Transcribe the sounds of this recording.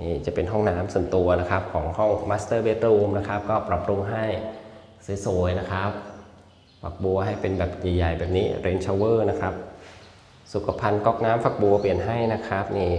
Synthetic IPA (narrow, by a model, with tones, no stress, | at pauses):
niː˥˩t͡ɕa˨˩pe˧nɦɔ˥˩ŋnaː˦˥msu˨˩˦nt̪u˧ɐna˦˥kʰa˦˥p̚kʰɔː˩˦ŋhɔ˥˩ŋmaː˦˥st̪ɤː˥˩we˦˥t̪̚ɾuː˧mna˦˥kʰa˦˥p̚kɔː˥˩pɾa˨˩p̚ɾu˧ŋɦa˥˩j | si˨˦so˨˩˦jna˦˥kʰa˦˥p̚ | fa˨˩k̚bu˧ɐɦa˥˩jpe˧nbɛː˨˩p̚jaː˨˩jːa˨˩jbɛː˨˩p̚niː˦˥ɾe˧˥nt͡ɕʰaː˧wɤː˥˩na˦˥kʰɾa˦˥p̚ | su˨˩kʰa˧pʰa˧nkɔː˥˩k̚naː˦˥mfa˨˩k̚bu˧ɐpli˨˩ənɦa˥˩jna˦˥kʰɾa˦˥p̚niː˥˩